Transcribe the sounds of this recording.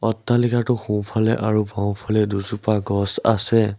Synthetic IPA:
ɔtːalikatʊxũwpʰalɛ̰ʔaɹubãw̃pʰɔlɛduzupaɡɔsa̰sɛ

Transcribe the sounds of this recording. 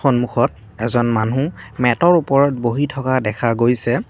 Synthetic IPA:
ɔnmuxɔt̚ | ɛzɔnmanũmɛtɔɹupɔɹɔt̚boɦitʰɔkadɛkʰaɡojsɛ

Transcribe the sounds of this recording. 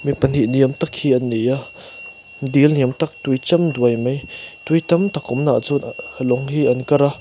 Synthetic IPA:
mipən̥iʔniəmt̪ɐkʰhiʔɐnːija | d̪ilniəmt̪ɐk̚t̪ujt͡sɐmd̪uəjmejt̪ujt̪ɐmt̪ɐkʊmnaʔt͡sunəlɔŋhiʔɐnkɐɾa

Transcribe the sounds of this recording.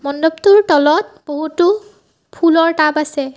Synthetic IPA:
mɔndobtuɹtɔlɔt̚b̥oɦutʊ | pʰulɔɹtabasɛ

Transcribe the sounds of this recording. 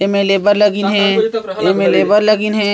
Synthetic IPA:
eːmeːleːbəɾləɡinɦɛ̃ːeːmeːlebəɾləɡinɦɛ̃ː

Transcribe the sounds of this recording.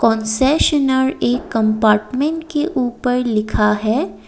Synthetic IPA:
kɔ̃ːnsɛʃənəɾeːkːɐ̃mpaːɾʈmẽɳʈkeʔuːpəɾlɪkʰaɦɛː

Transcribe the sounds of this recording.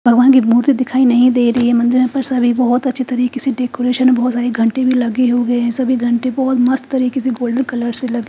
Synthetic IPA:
bʱɐɡʋaːnk̬imuːɾt̪id̪ɪkʰaːinɐɦĩd̪eːiɾɐɦiɦɛmɐ̃nd̪ɪɾmẽpɐɾsɐbʱibɐɦɔt̪ɐtːʃʰet̪ɐɾiːkeseɖeːkoːɾeːʃənbɐɦɔt̪saːɾeɡʱɐ̃ɳʈebʱilɐɡeɦoɡɐeɦɛ̃sɐbʱiɡʱɐ̃ɳʈebɔɦʊt̪mɐst̪t̪ɐɾiːkeseɡoːlɖbəkɐləɾselɐɡi

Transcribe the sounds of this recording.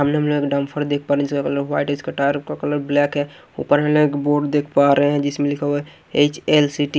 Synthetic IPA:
ɦəmneɦəmloɡekɖampʰəɾd̪ek̚ʰpaɾɛd͡ʒskakələɾwaɪʈeskaʈaɾpkakələɾblɛkɦɛ | ṵpəɾɦeleekboɖd̪ekʰpaɾɛɦɛɦɛ̃d͡ʒɪsmelikʰəe | et͡ʃelsiʈi

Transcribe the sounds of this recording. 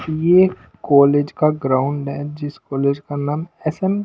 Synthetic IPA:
je | kɔːleːd͡ʒkaɡɾaːʊ̃ɳɖɦɛd͡ʒɪskɔːleːd͡ʒkanaːmɛsɛm

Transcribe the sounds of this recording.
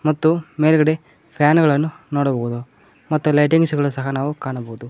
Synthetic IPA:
mɐt̪ːumeːlɡɐɽe | pʰjaːnɡɐɭɐnːunoːɽɐbɐɣud̪u | mɐt̪ːulɐjʈiŋɡsɡɐɭusɐɦɐnaːʋukaːɳɐbɐɣud̪u

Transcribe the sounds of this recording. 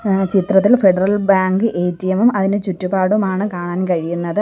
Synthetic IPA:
t͡ɕit̪rɐt̪̬ːilfeɖɐrɐlbaːŋɡɨʔeːtːijɐmumɐðinet͡ɕutːubaːɽumaːɳɨkaːɳaːnkɐɻijunːɐðɨ

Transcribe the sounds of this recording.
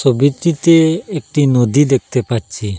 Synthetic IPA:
sobit̪ɾit̪eek̚ʈinod̪id̪ek̚ʰt̪epaɾt͡ʃʰi

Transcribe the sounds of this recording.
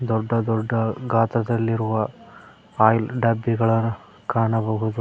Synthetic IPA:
d̪ɔɖːɐd̪ɔɖːɐɡaːt̪ɾɐd̪ɐlːiɾuʋɐ | aːjlɖɐbːiɡɐɭɐn | kaːɳɐbɐɦud̪u

